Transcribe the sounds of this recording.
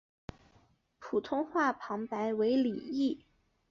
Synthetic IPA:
pʰu˨˩t̪ʰʊ˥ŋxwa˥˩pʰɑ˧˥ŋpa˧˥ɪwe˧˥ɪli˨˩i˥˩

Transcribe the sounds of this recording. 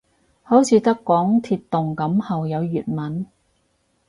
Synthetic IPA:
ho˨˥wt͡sʰiː˨˧t̪ɐ˥kːɔː˨˥ŋt̪ʰiː˧t̪ːʊ˨ŋkɐ˨˥mhɐ˨wjɐ˨˧wjyː˨˩t̚mɐ˨˥n

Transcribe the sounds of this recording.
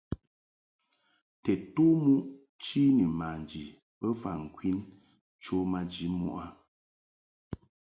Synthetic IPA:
tɛ˨to˦mu˦ʔ | t͡ʃi˦ni˨ma˨n˨d͡ʒi˨ | pə˦fa̰˨ŋ̩˨kwi˦n | t͡ʃo˦ma˦d͡ʒi˨˦mṵ˨ʔa˦

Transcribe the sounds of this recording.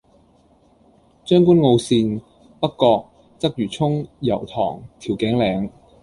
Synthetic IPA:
t͡ʃœː˥ŋkuː˥nŋo˧wsiː˧n | pɐ˥t̚kːɔː˧k̚ | t͡sɐ˥k̚jyː˨˩t͡sʰʊ˥ŋjɐ̰˨˩wt̪ʰɔ̰ː˨˩ŋt̪ʰi˨˩wkɛ˨˥ŋlɛː˨˧ŋ

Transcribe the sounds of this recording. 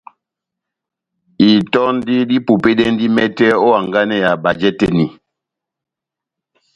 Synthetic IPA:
i˨tɔ˦n˦di˦di˦pu˨pe˦ɗɛ˦n˦di˦mɛ˦tɛ˦ɔ˦a˨ŋɡa˦nɛ˨ja˨ba˨d͡ʒɛ˦tɛ̰˦˨ni˨

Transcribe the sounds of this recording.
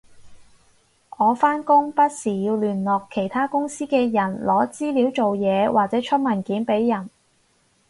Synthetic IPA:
ʔɔː˨˧faː˥nkʊ˥ŋpɐ˥t̚siː˨˩jiː˧wlyː˨˩nlɔː˨˩kʰːe˨˩jt̪ʰaː˥kʊ˥ŋsiː˥kɛː˧jɐ˨˩nlʔɔː˨˥t͡siː˥liː˨˥wt͡so˨wjɛː˨˧wʔaː˨k̚t͡sɛː˨˥t͡ʃʰɵ˥t̚mɐ˨˩nkiː˨˥npe˨˥jːɐ˨˩n

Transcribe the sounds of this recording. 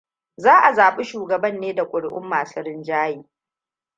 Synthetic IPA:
zaː˦ʔa˨zaː˨ɓi˦ʃuː˨ɡɐ˨bɐ˦nːeː˦da˨kʷʼʊ˨ɽʔʊ̰˦mːaː˨sɐ˦ɾɪ˦nd͡ʒaː˦jiː˨

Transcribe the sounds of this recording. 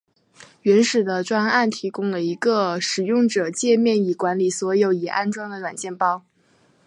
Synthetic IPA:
ɥɛ˧˥nʂɻ̩˨˩d̪ə˦ʈ͡ʂwa˥ŋa˥˩nt̪ʰi˧˥kʊ˥ŋlə˨i˧˥ɡə˧ʂɻ̩˨˩jʊ˥˩ŋʈ͡ʂɤ˨˩t͡ɕjɛ˥˧mjɛ˥˩ni˨˩kwa˧˥nli˨˩swɔ˧˥jo˧˥ʊɛ˨˩ʔa̰˥˧nʈ͡ʂwɑ˥ŋd̪ə˨lwa˨˩nt͡ɕjɛ˥˧npɑ˥ʊ

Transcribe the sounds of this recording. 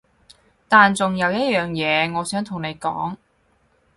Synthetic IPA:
t̪aː˨nt͡sʊ˨ŋjɐ˨˧wjɐ˥t̚jœː˨˩ŋjɛː˨˧ŋɔː˨˧sœː˨˥ŋt̪ʰʊ˨˩ŋne˨˧jkɔ̰ː˨˥ŋ

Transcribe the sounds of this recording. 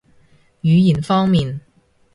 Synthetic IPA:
jyː˨˧jiː˨˩nfɔː˥ŋmiː˨n

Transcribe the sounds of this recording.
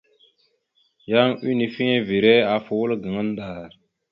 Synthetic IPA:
ja˦ŋi˦ni˨fi˦ɲe˦vi˨ɾe˦a˨fu˨wu˦lɡə˨ŋə˦n˦da˨ɾ

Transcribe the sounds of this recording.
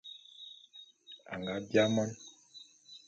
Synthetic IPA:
a̰˨ŋɡa˨˦bja˦mɔ˦n

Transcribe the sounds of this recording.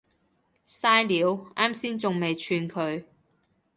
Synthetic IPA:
saː˥jliː˨˥waː˥msiː˥nt͡sʊ˨ŋme˨jt͡ʃʰyː˧nkʰɵ˨˧ɥ

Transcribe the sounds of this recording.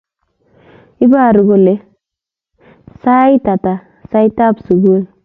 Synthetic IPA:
i˦ba˦˨ɾu˨ɡo˨le˦ | sa˦jta˨ta˨ | sa˦jta˦bsu˨ɡu˦l

